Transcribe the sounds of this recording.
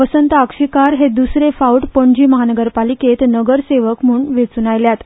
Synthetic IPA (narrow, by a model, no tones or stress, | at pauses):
əsənt̪akʂikaɾɦed̪usɾefauʈpəɳd͡ʑiːməɦanəɡəɾpaliket̪nəɡəɾseʋəkm̤uːɳʋet͡sunajljat̪